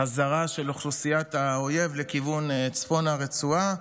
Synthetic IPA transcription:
azaʁaʃeloχlusijat̪aoje̞vle̞kivunt͡sfo̞naʁet͡sua

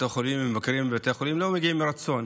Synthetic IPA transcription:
tχolimːemakɾimbat̪eχolimlo̞meɡiimːiɾat͡so̞n

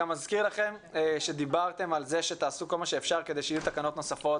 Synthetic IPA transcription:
amazkiʁlaχe̞mʃe̞d̪ibaʁt̪e̞malze̞ʃe̞t̪aːsuko̞lmaʃe̞ːfʃaʁke̞d̪e̞jʃaijut̪akano̞t̪no̞safo̞t

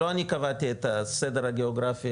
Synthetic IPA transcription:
oanikɐvat̪iet̪ased̪eɾaɡeoɡɾafi

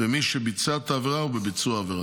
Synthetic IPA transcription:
ɪmiʃɛbɪt͡sat̪avɾaʊbɪbɪt͡suavɾa

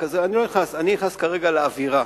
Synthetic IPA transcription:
kazeanilojeχnasaniiχnaskaʁe̞ɡaleaviʁa

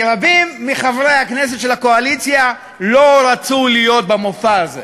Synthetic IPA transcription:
ɾabimːiχavʁehaknes̬et̪ʃe̞lako̞alit͡sja | lo̞ɾat͡sulijo̞t̪̚bemofaːzḛ

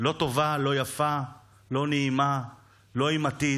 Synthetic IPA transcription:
lo̞to̞valo̞jafa | lo̞neima | lo̞imati

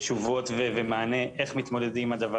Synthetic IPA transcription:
ʃuvo̞tvevemaːne̞ʔe̞χmit̪mo̞de̞dimad̪ava

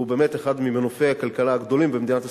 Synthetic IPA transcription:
ubemeteχad̪mimenofeakalkalaːɡd̪o̞limbemd̪inat̪a

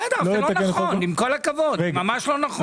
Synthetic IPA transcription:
ad̪alojetakenχoonimko̞lakavod̪eɡmamaʃlonaχ

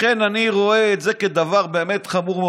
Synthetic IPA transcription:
enaniʁo̞eːtzeked̪avaʁbeːmetχamuʁme

